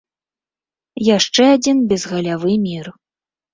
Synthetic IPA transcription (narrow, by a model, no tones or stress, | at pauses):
jaʂt͡ʂɛad͡zʲinbʲɛzɣɐlʲavɨmʲir